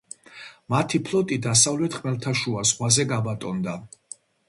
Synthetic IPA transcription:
mat̪ʰipʰlˠɔt̪ʼid̪asavlɛt̪ʰχmɛlt̪ʰaʃuazʁwazɛɡabat̪ʼɔnd̪a

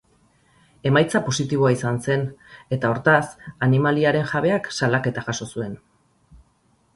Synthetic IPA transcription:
e̞majt͡sapo̞sit̪iβ̞o̞aisanse̞ne̞t̪ao̞ɾt̪asanimaliaɾe̞nʝaβ̞e̞aksalake̞t̪aʝaso̞sue̞n

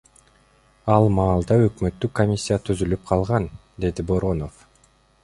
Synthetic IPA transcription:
ɑlˠmɑːlˠd̪ɑø̞kmø̞t̪ːykomʲisʲːijat̪ʰyzylyp̚qʰɑlˠʁɑn | d̪e̞d̪ibo̞ɾo̞no̞f

